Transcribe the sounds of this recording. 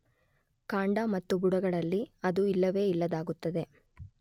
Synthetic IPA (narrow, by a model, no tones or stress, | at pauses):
kaːɳɖɐmɐt̪ːubuɽɐɡɐɭɐlːiɐd̪uilːɐʋe̞ːilːɐd̪aːɡut̪ːɐd̪e̞